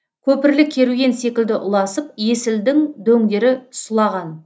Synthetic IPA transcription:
kʲʰɵpɪɾlɪkʲʰːe̞ɾuɡʲe̞nse̞kʲɪld̪ɪʔʊlˠɑsəp̚je̞sɪld̪ɪŋd̪ɵŋɡʲe̞ɾɪsʊlˠɑʁɑn

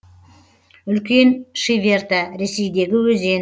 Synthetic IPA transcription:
ʏlkʲe̞nʃivʲe̞rt̪aɾe̞se̞jd̪e̞ɡʲɪwɵze̞n

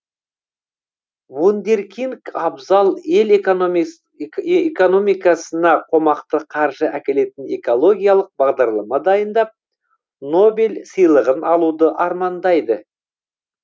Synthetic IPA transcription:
vund̪e̞ɾkʲiŋkɑbzɑlˠe̞l | eko̞no̞mijkɑsənɑqʰo̞mɑqt̪əqʰɑɾʒəʔækʲe̞le̞t̪ɪne̞kolˠo̞ɡʲijɑlˠəq̚bɑʁd̪ɑɾlˠɑmɑd̪ɑjənd̪ɑp̚ | no̞belsəjlˠəʁənɑlˠud̪əʔɑɾmɑnd̪ɑjd̪ə

